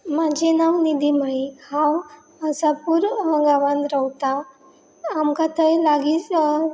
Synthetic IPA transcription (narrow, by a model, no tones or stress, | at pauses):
mad͡ʑenawnid̪im̤aihãw | əsapuɾə̃ɡaʋãnd̪ɾəwt̪aː | mkat̪ʰəjlaɡiːt͡s